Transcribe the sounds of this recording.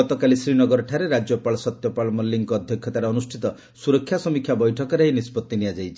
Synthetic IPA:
ɔt̪ɔkalisɾinɔɡɔɾɔʈʰaɾeɾad͡ʒjɔpaɭɔsɔt̪jɔpalɔmɔlːiŋkɔɔd̪ʱjɔkʰːjɔt̪aɾeɔnusʈʰit̪ɔ | suɾɔkʰːjasɔmikʰjabɔjʈʰɔkɔɾeɦenispɔt̪ːiniad͡ʒajt͡ʃʰi̥

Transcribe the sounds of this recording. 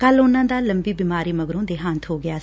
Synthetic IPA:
kəlʊnːãːd̪aːləmbiːbiːmaːɾiːməɡɾõːd̪eːɦãːnt̪ʰɦoːɡɪjaː

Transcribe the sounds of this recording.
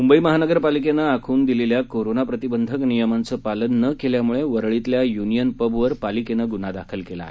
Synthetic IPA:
mumbəiməɦanəɡəɾpalikenaakʰuːnd̪ileljakoɾonapɾət̪ibənd̪ʱəknijəmant͡səpalənːəkeljamuɭeʋəɾɭit̪ljajunijənpəbʋəɾpalikenəɡunad̪akʰəlkela̰ːɦe

